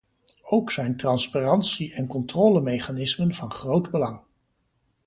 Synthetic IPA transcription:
owksɛjntrɑnsparɑntsiɛnkɔntrɔːləmejχanɪsmənv̥ɑnχrowdbəlɑŋ

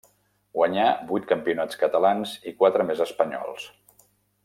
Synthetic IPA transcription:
ɡwəɲabujt̪̚kəmpiunat͡skət̪əlanzikwat̪ɾəmezəspəɲɔ̰lˠs

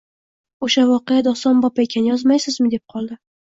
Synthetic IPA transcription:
oʃavɒqejad̪ɒst̪ɒnbɒpʰaekʲʰanɪjɒzmajsɪzmɪd̪e̞p̚qʰɒlˠd̪ɪ

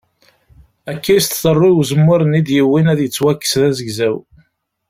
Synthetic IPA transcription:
ækːist̪θərˤːiwzəmːʊɾənid̪jiwːinæðjət͡sːwækːə̥sðæzəɡzæw

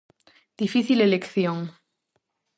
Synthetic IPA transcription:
d̪̥ifiθilelekθjoŋ

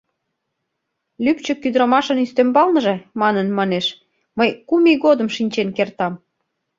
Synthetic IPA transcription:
lypt͡ɕə̆kyd̪ɾəmɑʃənyst̪embɑlnə̆ʒĕmɑnənmɑneʃ | məjkumiɣod̪ə̆mʃinʲt͡ɕenkert̪ɑm

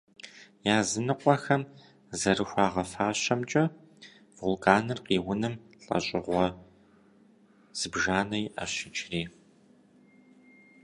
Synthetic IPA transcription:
jaːzɨnɨqʷʼɔxɐm | zɐrɨxʷɑːʁɐfaːɕɐmt͡ʃʼɐ | vulkʰaːnɨrqiːwʊnɨm | ɬʼɐ̰ɕʼɪʁʷɔ | z̥ɨbʒaːnɐjɪʔɐ̰ɕɪt͡ʃʼriː

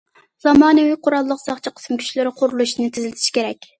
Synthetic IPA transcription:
z̥ɑmɑːnɨwɪqʰʊɾɑlˠːəqsɑχt͡ʃʰiqʰə̥smkʲʰy̥ʃlɪɾɪqʰʊɾulˠuʃnɨt̪ʰɪzɪlɪt̪ʰiʃkʲʰeɾɛkʲ

